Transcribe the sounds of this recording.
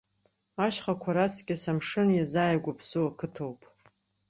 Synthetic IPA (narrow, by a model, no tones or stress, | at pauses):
aʃχakʷʰaɾat͡sʰɡʲasamʂɨnjazaːjaɡʷapʰsɨwakʰɨtʰowpʼ